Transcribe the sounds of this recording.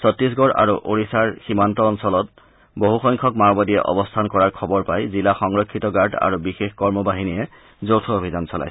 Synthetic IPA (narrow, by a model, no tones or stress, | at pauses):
sɔtɹis̬ɡɔɹa̰ɹuʔoɹisaɹximantɔːnsɔlɔt̚ | boɦuxɔjŋkʰɔkmaɹɔbadijɛʔɔ̰bɔstʰankɔɹaɹkʰɔbɔɹpajzilaxɔŋɹɔkʰːitɔɡaɹda̰ɹubixexkɔɹmɔbaɦinijɛ | zowtʰɔobʱizansɔla̰js